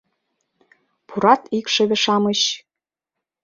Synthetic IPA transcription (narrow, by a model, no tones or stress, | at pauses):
pʰuɾɑt̪ikʃĕβĕʃɑməɕ